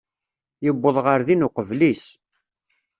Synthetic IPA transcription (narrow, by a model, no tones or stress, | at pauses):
jəbːəðˤʁəɾðinʊqəvlis